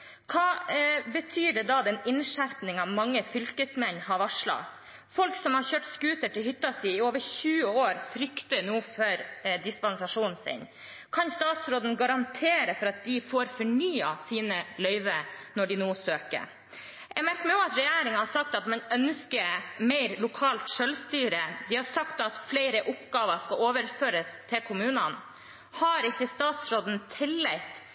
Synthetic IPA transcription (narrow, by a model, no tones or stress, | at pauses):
kʰɑːbət̪ʰyːɖɛd̪ɑd̪ɛnɪnʂæɾpnɪŋɑʋmɑŋːəfʏlkəsmɛnːhɑɾʋɑʂlɑ̰ | fɔlksɔmhɑɾçøːʈskʉːt̪əʈɪlhʏt̪ːɑsiːɪoːʋəçʉːəoːɾfɾʏkt̪ənuːføːɾd̪ɪspɑnsɑʂuːnn̩sɪ̰n | kʰɑnst̪ɑːt̪sɾoːd̪n̩ɡɑɾɑnt̪ʰeːɾəfɔɾɑt̪̚d̪ɪfoːɾfɔɳyːɑsiːnəlœʏʋənɔɖɪnoːsøːkə̰ɾ | ʔɛɡmæɾkəmɛoːɑt̪ɾɛjæːɾɪŋɑhɑsɑk̚t̪ɑt̪mɛnœnskəmeɪɾlʊkʰɑːlt̪ʂœlst̪yːɾəd̪ɪhɑɾsɑkt̪ɑt̪fleɪɾəʔʊpɡɑːʋəʂkɑloːʋəɾføːɾəst̪ʰɪlkʰʊmʉːnɑn | hɑɾɪçːəst̪ɑːt̪sɾoːd̪n̩t̪ʰɪlːɛɪt̪